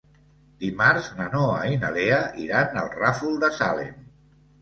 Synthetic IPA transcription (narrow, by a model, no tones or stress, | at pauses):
d̪imaɾznənoa̰inəleəʔiɾanə̰lˠrafulˠd̪əsa̰lḛn